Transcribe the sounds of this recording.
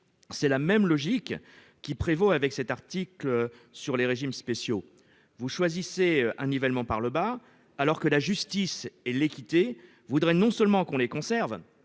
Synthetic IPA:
sɛlamɛmlɔʒikː | ipχevoavɛksɛt̪aʁt̪iklø | syʁleʁeʒimspesjo | vuʃwaziseɛ̃nevɛlmɑ̃paʁləbaː | lɔʁkəlaʒyst̪isɛlekʲit̪e | vud̪ʁɛnɔ̃sœlmɑ̃kɔ̃lekɔ̃sɛʁv

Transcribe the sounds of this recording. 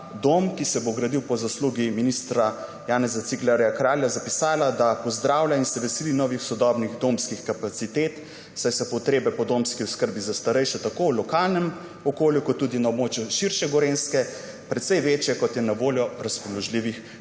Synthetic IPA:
d̪omkisɛboɡɾad̪iwpɔzasluːɡiminist̪ɾa | jaːnɛzat̪siklaɾjakɾaːljazapisaːlad̪apɔzd̪ɾaːwlʲainsɛʋɛselinɔʋixsɔd̪ɔbniɣd̪omskixkapat̪sit̪eːt̪ | sajsɔpɔt̪ɾeːbɛpɔd̪omskiʊskəɾbizast̪aɾɛjʃɛt̪akowlɔkaːlnɛm | ɔkoːljukɔt̪ːuːd̪inaobmoːt͡ʃjuʃiɾʃɛɡɔɾenskɛ | pɾɛt̪sɛjʋeːt͡ʃjɛkɔt̪jɛnaʋoːljɔɾaspɔlɔʒliːʋix

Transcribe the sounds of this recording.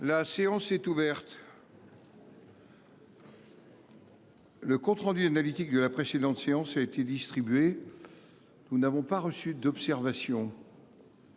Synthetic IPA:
laseɑ̃sɛt̪uvɛʁt̪ | ləkɔ̃t̪χɑ̃d̪yanalit̪ik̚d̪əlapχesed̪ɑ̃t̪seɑ̃saet̪ed̪ist̪χibɥe | nunavɔ̃paʁəsyd̪ɔpsɛʁvasjɔ̃

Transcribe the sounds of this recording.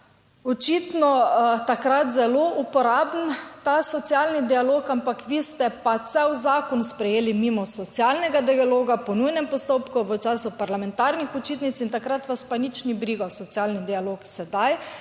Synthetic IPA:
ɔt͡ʃit̪nɔt̪akɾat̪zɛloːupɔɾaːbnt̪asɔt̪sjalnid̪ialoːkampakʋiːst̪ɛpat̪sɛwzaːkɔnspɾɛjeːlimiːmɔsɔt̪sjalnɛɡad̪ialoːɡapɔnujnɛmpɔst̪oːpkuʋət͡ʃaːsupaɾlamɛnt̪aɾnixut͡ʃiːt̪nit̪sint̪akɾat̪ʋaspanit͡ʃnibɾiːɡasɔt̪sʲjaːlnid̪ialoːksɛd̪aj

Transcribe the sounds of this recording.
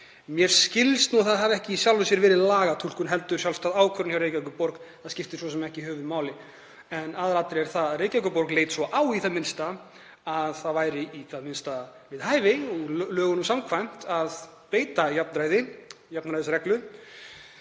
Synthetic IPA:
mjɛɾ̥scɪlst̪nuθaðavɛhcɪisjawlʏsjɛɾvɛːɾɪðlaːɣat̪ʰul̥kʏnɦɛlt̪ʏɾ̥jawlst̪aːðaːwkʰvœɾʏnçjawɾreːjkcakʏpɔɾkθaðscɪft̪ɪsvɔsɛmɛhcɪɦœːvʏmaːwlɪ | ɛnaːðaɾat̪ɾɪɛɾ̥θaðaðreːjcakʏpɔɾkleːjt̪svɔʔaːwiθaðmɪnst̪a | aðθaðvaːjɾɪiθaðmɪnst̪avɪðhaːjvɪɔɣlœːɣʏnʏmsamkʰvajm̥t̪að | peːjt̪ajapnɾaːjðɪ | japnɾajðɪsɾɛklʏ

